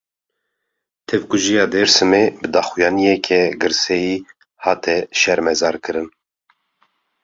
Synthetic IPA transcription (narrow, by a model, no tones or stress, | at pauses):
t̪ʰɛvkuʒijɑːd̪ɛɾsɨmebɨd̪ɑːxujɑːnijɛkʰɛɡɨɾsɛjiː | hɑːt̪ʰɛʃɛɾmɛzɑːɾkʰɨɾɨn